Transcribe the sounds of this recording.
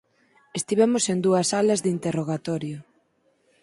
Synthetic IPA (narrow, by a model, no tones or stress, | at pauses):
est̪iβ̞ɛmosend̪uɐsalɐzðint̪eroɣat̪ɔɾjʊ